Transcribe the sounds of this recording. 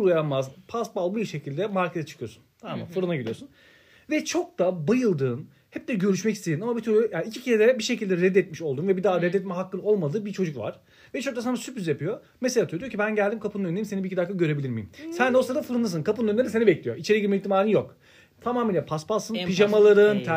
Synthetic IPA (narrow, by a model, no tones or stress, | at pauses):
ulˠajanmazpʰasbalˠbujiʃe̞cilʲd̪ɛmaɾkʰezɛt͡ʃʰɯ̥kɯjosu̥nama̰nfuɾunaɟiɾʲḭjosun | vɛt͡ʃʰo̞k̚t̪abajɯlˠd̪ɯːn | hɛp̚d̪ɛɟø̞ɾyʃmɛcist̪ʰeinamabit̪ʰyɾujaːniːcʰicʰielʲeɾɛbiʃe̞cilʲd̪ɛɾɛd̪ːɛt̪̚miʃo̞lˠd̪uːnvɛbid̪aɾɛd̪ːɛt̪̚mɛɦakːɯlˠo̞lˠmad̪ɯːbit͡ʃʰo̞d͡ʒukva̰ɾ̥ | vɛt͡ʃʰokt̪as̬anasypyzjapʰɯjo | meselʲaːt̪ʰyøod̪ijocʰibænɟælʲd̪imkʰapɯɯnøneɾimsenibicʰid̪ak̪ʰːaɟø̞ɾe̞bilʲiɾmḭjimsænd̪osaaɾafuɾunɯs̬ɯnkʰapɯnɯnʲːeɾisenibɛclʲijoit͡ʃʰe̞ɾiɡiɾmɛic̚t̪ʰimaːɾɯnjok | t̪ʰamaːmiːlʲɛpʰaspalˠsɯnpʰiʒamalˠaɾɯnt̪ʰ